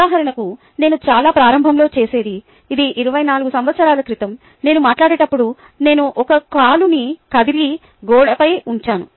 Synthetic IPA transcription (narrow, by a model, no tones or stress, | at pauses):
aːɦɐɾɐɳɐku | ne̞ːnut͡ʃaːlaːpɾaːɾɐmbʱɐmlo̞ːt͡ʃe̞ːse̞ːd̪iː | d̪iʔiɾuʋɐjnaːluɡusɐmʋɐt̪sɐɾaːlɐkɾit̪ɐm | ne̞ːnumaːʈlaːɽeːʈɐpːuɽu | ne̞ːnuʔɔkɐkaːlunikɐd̪iɾi | ɡɔːɽɐpɐjuɲt͡ʃaːnu